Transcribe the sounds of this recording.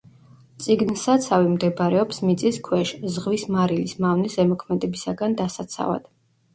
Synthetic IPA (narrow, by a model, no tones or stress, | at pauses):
t̪sʼiɡnsat̪sʰavimd̪ɛbaɾɛɔpsmit̪sʼiskʰwɛʃzʁvismaɾilismavnisɛmɔkʰmɛd̪ɛbisaɡand̪asat̪sʰa̰va̰d̪̥